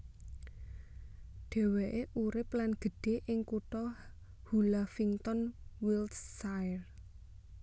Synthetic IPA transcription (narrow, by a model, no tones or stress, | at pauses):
ɖ̥e̤weʔeʔuɾɪplanɡ̥ə̤ɖ̥e̤ʔɪŋkuʈ̪ɔ | hulafiŋt̪ɔnwilsːaɪr